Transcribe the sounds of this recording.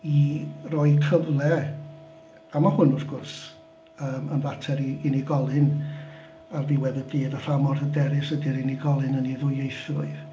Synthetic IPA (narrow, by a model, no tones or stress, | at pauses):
irɔːɨkʰəvlˠɛ | amahʊnʊfɡ̥ʊrs | əːmənvatʰɛɾiɪniɡɔlˠɨn | arðɪwɛðəbɨːdɔr̥amɔrədɛɾɪsədiɾɪniɡɔlˠɨnəniðʊjejθʊɨð